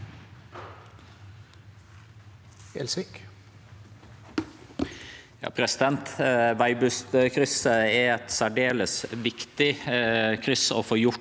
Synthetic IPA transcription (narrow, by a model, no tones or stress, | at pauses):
ɛlsɪk | jɑ̰ːpʰɾɛsɪd̪ɛnt̪ʋæɪbʉst̪kʰɾʏsəɛɛt̪sæɖeːləsʋɪkt̪ɪkʰɾʏsəo̰ːfoːjʊ